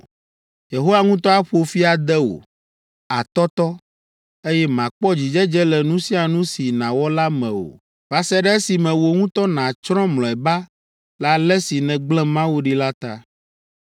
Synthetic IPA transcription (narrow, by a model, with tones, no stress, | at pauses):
je˨ɦo˦wa˨ŋũ˦t̪ɔ˦a˦ɸo˨fi˦a˨d̪ɛ˦o̰˨ | a˨t̪ɔ˦t̪ɔ˦ | e˦jɛ˦mã˨k͡pɔ˦d͡ʑi˨d͡ʒɛ˦d͡ʒɛ˦lɛ˨nũ˦si˦a˨nũ˦si˨nã˨wɔ˦la˦mɛ̃˨o̰˨ | va˦sɛ˦ɖɛ˦e˦si˨mɛ̃˨wo˨ŋũ˦t̪ɔ˦nã˨t͡ʃɾɔ̃˦mlɔ̃˨ɛ˨ba˦ | la˨lɛ˦si˨nɛ̃˨ɡ͡blɛ̃˦mã˦wu˦ɖi˦la˦t̪a̰˦